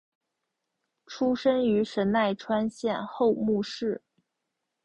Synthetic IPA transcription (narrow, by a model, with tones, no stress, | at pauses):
ʈ͡ʂʰu˥ʂə˥ny˧˥ʂə˧˥nna˥˩ɪʈ͡ʂʰwa˥nɕjɛ˥˧nxo˥˧ʊmu˥˧ʂɻ̩˥˩